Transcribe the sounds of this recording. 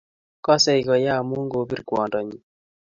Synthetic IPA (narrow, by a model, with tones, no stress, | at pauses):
kɔ˦sɛ˦˨i˨kɔ˨ja˦˨mu˦ŋɡo˨˦bi˦ɾkwɔ˨ndɔ˨ɲi˨